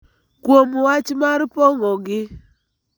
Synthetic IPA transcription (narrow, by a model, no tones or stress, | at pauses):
kwomwat͡ʃmaɾpɔŋɔɡɪ